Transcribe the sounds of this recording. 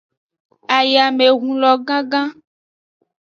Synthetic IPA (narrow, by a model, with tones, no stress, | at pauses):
a˨ja˨me˨ɣũ˨lɔ˨ɡã˦ɡã˦